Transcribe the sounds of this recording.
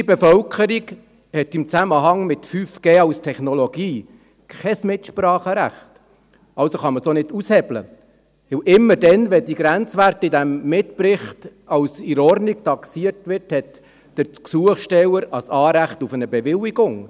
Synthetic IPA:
ibɛfœlkʰəɾiɡ | hɛtɪmt͡sæməɦɑŋmɪtfyfɡ̥eːɑwstʰɛχnɔlɔɡiː | kʰɛsmɪtʃpɾɑːχəɾæ̰χt | ɑwsoχɑməsonɪdushɛblə̰ | ʋɪwʔɪmːəɾdɛnʋɛdiɡɾænt͡sʋærtɪdæmːɪtpɾɪχtɑwsiɾɔrnik̚tɑksiərtʋɪrthɛt | d̥əɾt͡sksuəχʃtɛwəɾɑsɑːɾæχtufənəbɛʋɪliɡʊŋ

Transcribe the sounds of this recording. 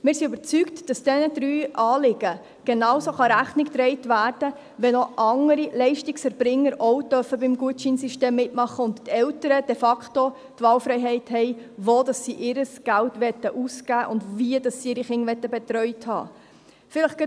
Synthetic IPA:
mɪːɾsiʉbəɾt͡syktd̥ɑsd̥ɛnədɾyːʔɑːlɪɡə | ɡ̥enɑwsoχɑɾæχnɪktɾɛɪtʋæːrd̥ə | ʋɛnoʔɑŋəɾilɛɪʃtɪksɛɾb̥ɾɪŋːəɾɔwd̥œfəbɪmɡuətt͡ʃinsiʃteːmːɪtmɑχːəʊnttɛltəɾəd̥ɛfɑkχto | tʋɑːlfɾɛɪɦɛɪthɛɪʋoːd̥ɑsːiʔɪɾəsɡ̥æltʋɛtːəʔusɡ̥æːʔʊndviədɑsːiɪːɾiχɪŋʋɛtːəbɛtɾœʏthɑ̰ː | fɪləχɡ̥ə

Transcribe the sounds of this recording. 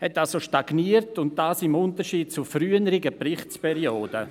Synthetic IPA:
hɛtːalsoʃtaɡniːəɾtʊnt̚d̥aːsɪmʊntəʃiːd̚t͡sufryːənəɾɪɡəpɾɪχtspɛɾioːdə

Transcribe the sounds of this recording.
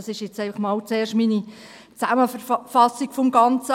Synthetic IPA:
ɑsɪʃjet͡sɛɪfɑχmɑːlt͡seːʃtmini | t͡sæməfɑsiɡ̥fɔmɡɑnt͡sə

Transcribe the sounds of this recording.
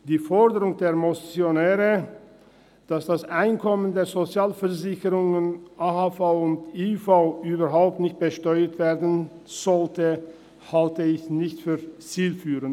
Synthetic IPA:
d̥iːfɔɐdəʁʊŋdeːɐmɔt͡sjonɛːʁə | d̥asd̥asʔaɪnkʰɔməndeːɐzot͡sjaːlfɛɐzɪçəʁʊŋənʔahafaʊʊntifaʊʔyːbɐʁɦaʊp̚tnɪçt̚b̥əʃtɔʏətv̥eːɐdn̩ | z̥ɔltə | haltəɪçnɪçtfyːɐt͡siːlfyːʁən

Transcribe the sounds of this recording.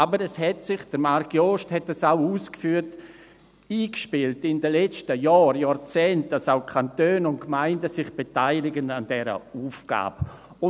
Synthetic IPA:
abəɾɛshɛtsɪχd̥əɾmaɾkjoːʃthɛt̚dasaʊuːskfyːt | iːkʃpɪltɪndəlɛt͡stəjɔːɾjaːɾt͡sɛːnt̚d̥asaʊkʰantøːnʊntkmaɪndəsɪχb̥etaɪlɪɡənandɛɾə̰uːfɡ̥a̰ːb | ʊ

